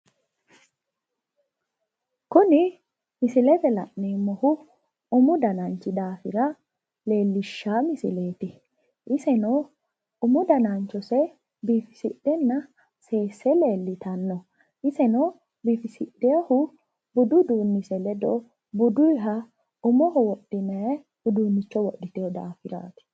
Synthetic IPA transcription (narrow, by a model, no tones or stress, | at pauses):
kʊnɪ | mɪsɪlɛt̪ɛlɐ̰ʔneːmːɔhʊ | ʊmʊd̪ɐnɐnt͡ʃːɪd̪aːfɪɾɐ | le̞ːlːɪʃːaːmɪsɪ̰le̞ːt̪ɪ | ʔɪsɛno | ʊmʊd̪ɐnant͡ʃːɔsɛ | biːfɪ̥sɪɗːɛnːɐ | se̞ːsːɛle̞ːlːɪt̪ɐnːɔ | ʔɪsɛnɔ | biːfɪsɪɗːɛjɔhʊ | bʊd̪ʊd̪uːnːɪsɛlɛd̪ɔ | bʊd̪ʊjɦɐ | ʊmɔhɔwɔɗːɪnɐj | hʊd̪uːnːɪt͡ʃːɔwɔɗːɪt̪ejɔd̪a̰ːfɪɾa̰ːt̪ɪ̥